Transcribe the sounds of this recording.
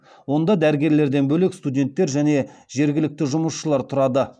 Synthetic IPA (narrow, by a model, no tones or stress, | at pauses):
wo̞nd̪ɑd̪æɾɡʲe̞ɾle̞ɾd̪e̞nbɵlekst̪ud̪ʲe̞nt̪ːe̞ɾʒæne̞ʒe̞ɾɡʲɪlɪk̚t̪ɪʒʊməsʃəlˠɑɾt̪ʰʊɾɑd̪ə